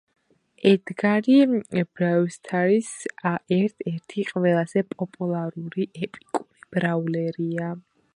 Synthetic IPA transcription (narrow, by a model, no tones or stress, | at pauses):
ɛd̪ɡaɾib̥ɾawst̪ʰaɾisɛɾt̪ʰɛɾt̪ʰiqʼvɛlˠaz̥ɛpʼɔpʼulˠaɾuɾiʔɛpʼi̥kʼuɾib̥ɾavlɛɾia